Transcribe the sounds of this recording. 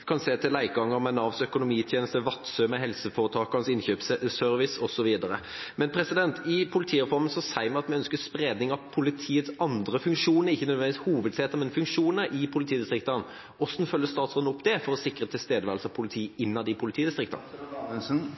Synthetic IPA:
kʰɑnseːt̪ʰɪlæɪɡɑŋːəɾmɛnɑʋsœkʊnʊmiːt̪ʰjeːnəst̪əʋɑt̪ːsœmɛɦɛlsəfɔːɾət̪ʰɑːkɑnsɪnçøːpsœɾʋɪsɔsɔʋiːd̪ɑɾəmɛnpʰɾɛsɪd̪ɛnt̪ʰɪpʰʊlɪt̪ʰiːɾɛfɔɾmənsɔsæɪmɛɑt̪mɛœnskəspɾeːd̪nɪŋɑpʰʊlɪt̪ʰiːət̪sɑnd̪ɾəfʉŋkʂuːnəɾɪçːənœd̪ʋɛnd̪ʋishuːʋəd̪seːt̪əmɛnfʉŋkʂuːnəɾʔɪpʰʊlɪt̪ʰiːd̪ɪst̪ɾɪkt̪ɑn | ɔsːn̩fœlːəst̪ɑːt̪sʁoːd̪nʊpːd̪ɛfɔɾɔsɪkːɾət̪ʰɪlst̪eːd̪əʋæʁlsɑpʰʊlɪt̪ʰiːɪnːɑd̪ɪpʰʊlɪt̪iːd̪ɪst̪ɾɪkt̪ɑ̰nsn

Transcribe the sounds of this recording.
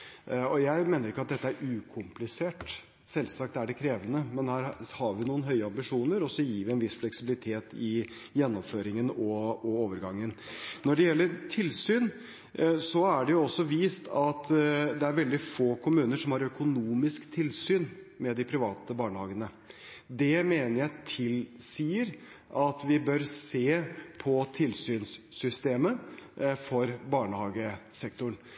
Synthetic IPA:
ɔjæɪmeːnəɾɪkːəɑt̪̚d̪ɛt̪ːəæɾʉːkʰʊmplɪseːʈ | sɛlsɑk̚t̪æɖɛkʰɾeːʋənəmɛnhæːɾhɑɾʋɪnuːənɦœʏəɑmbɪʂuːnəɾɔsːɔjiːʋɪɛnʋɪsːflɛksɪbɪlɪt̪ʰeːt̪ɪ | jɛnːɔmføːɾɪŋənɔɔoːʋəɾɡɑŋːənnɔɖɛjɛlːəɾʈʰɪlsyːn | sɔæɖɛjʊɔsːɔʋiːst̪ʰɑt̪d̪ɛæɾʋɛld̪ɪfoːkʰʊmʉːnəʂɔmhɑɾœkʊnuːmɪskt̪ʰɪlsyːn | mɛd̪ɪpʰɾɪʋɑːt̪əbɑːɳəhɑːɡənə | d̪ɛmeːnəɾjæɪt̪ʰɪlsiːəɾ | ʔɑt̪ʋɪbœɾseːpʰɔt̪ʰɪlsyːnsːʏst̪eːməfɔɾbɑːɳəhɑːɡəsɛk̚t̪ʊɳ

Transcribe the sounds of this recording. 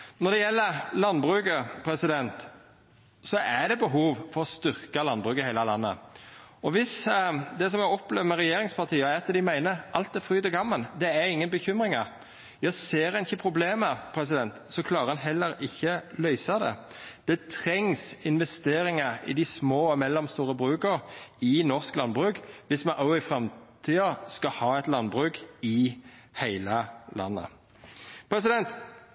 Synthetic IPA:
nɔɾd̪ɛjɛlːəɾlɑnːbɾʉːkəpʰɾɛsɪd̪ɛnt̪ | sɔʔæɖ̪ɛbəɦuːʋfɔɾɔst̪ʏʁkɑlɑnbʁʉːkəhæɪləlɑ̰nːə̰ɔʋɪsd̪ɛsɔmæɔpleːʋəmɛɾɛjeːɾɪŋspʰɑt̪ʰiːəæɾɑt̪̚d̪ɛd̪æɪmæɪnəɾʔɑlt̪̚æfɾyːt̪əɡɑmːəld̪ɛæɾɪŋːənbəçʏmɾɪŋɑɾ | jæɪseːɾhɑnɪçːəpʰɾʊbleːməpʰɾɛsɪd̪ɛnt̪sɔkʰlɑːɾəɑnɦɛlːəɾɪçːəlœʏsəɑd̪ɛ̰ | d̪̥ɛt̪ʰɾɛŋsɪnʋɛst̪eːɾɪŋəɪ̰d̪ɪsmoːmɛlːɔmst̪uːɾəbʁʉːkəɾɪnɔʁsklɑnbʁʉːkʋɪsmɑnʔoːɪfʁɛmt̪ʰiːəskɑhɑːɛɪt̪lɑnbʁʉːkɪhæɪləlʔɑ̰nːə̰ | pʰɾɛsɪd̪ɛnt̪

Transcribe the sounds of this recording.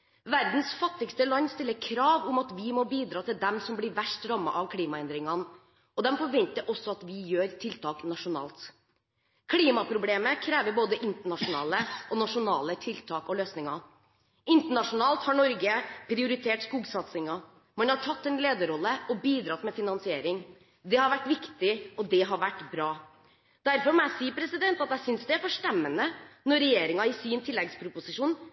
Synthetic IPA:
ʋæɾd̪n̩sfɑt̪ːɪɡst̪əlɑnːst̪ɪlːəɾkʰɾɑːʋʊmɑt̪ʋɪmɔbiːd̪ɾɑːt̪ʰɪld̪ɛmsɔmblɪɾʋæʂʈɾɑmːɑ̰ʔɑʋkʰliːmɑɛnd̪ɾɪŋɑn | ɔd̪ɛmfɔʋɛnt̪əɾʔɔsːɔɑt̪ʋɪjøːɾt̪ʰɪlt̪ʰɑːknɑʂʊnɑ̰ːlt̪ | kʰliːmɑpʰɾʊbleːməkʰɾeːʋəɾboːd̪əʔɪnt̪əɳɑʂʊnɑ̰ːləʔɔnɑʂʊnɑːlət̪ʰɪlt̪ʰɑːkɔløːsnɪŋɑ | ɪnt̪əɳɑʂʊnɑːlt̪hɑɳɔɾɡəpʰɾɪʊɾɪt̪ʰeːʈskuːɡsɑt̪sɪŋɑ | mɛnhɑʈʰɑt̪ːɛnleːd̪əɾɔlːəʔɔbiːd̪ɾɑt̪ːmɛfɪnɑnsɪeːɾɪŋ | d̪ɛhɑɾʋæʈːʋɪkt̪ɪɔd̪ɛɦɑɾʋæʈːbɾɑː | d̪æɾfɔɾmɔæɪsiːpʰɾɛsɪd̪ɛnt̪ɑt̪æɪsʏnsd̪ɛæɾfɔʂʈɛmːənənɔɾɾɛjeːɾɪŋɑɪsiːnt̪ʰɪlːɛɡspʰɾʊpʊsɪʂuːn

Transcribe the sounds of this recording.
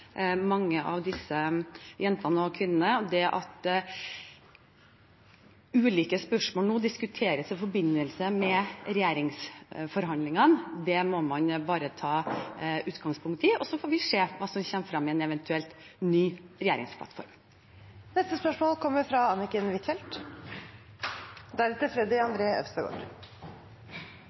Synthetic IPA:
mɑŋːəʔɑ̰ʋd̪ɪsəjɛnt̪ɑnəɔkʰʋɪnːənəɔd̪ɛʔɑ̰t̪ | ʉːliːkəspœʂmoːlnuːd̪ɪskʉt̪ʰeːɾəsɔfɔɾbɪnːəlsəmɛɾɛjeːɾɪŋsfɔɾɦɑnd̪lɪŋənd̪ɛmɔmɑnbɑːɾət̪ʰɑːʉːt̪ɡɑŋspʰʊŋkt̪ɪʔɔsɔfoːɾʋɪʂeːʋɑːsɔmçɛːmfɾɑmːɪɛnɛʋɛnt̪ʉɛlt̪nyːɾɛjeːɾɪ̰ŋspʰlɑ̰t̪fɔ̰ɾm | nɛst̪əspœʂmoːlkʰɔmːəɾfɾɑɑnɪkənʋɪt̪fɛlt̪ | d̪æɾɛt̪əfɾɛd̪ɪɑnd̪ɾeːœ̰fsəɡo̰ːɾ

